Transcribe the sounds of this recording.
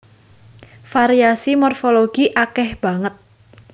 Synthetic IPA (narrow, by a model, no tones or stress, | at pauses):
faɾiasimɔrfoloɡ̥iʔakɛhb̥a̤ŋət̪̚